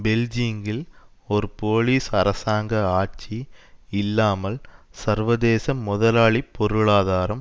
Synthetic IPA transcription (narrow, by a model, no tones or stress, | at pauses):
bɛld͡ʒiːŋɡɪlɔɾɯpoːliːsɐɾɐsaːŋɡɐaːʈ̚t͡ʃiɪlːaːmɐlsɐɾʋɐðeːsɐmːʊðɐlaːɭipːɔɾɯɭaːðaːɾɐm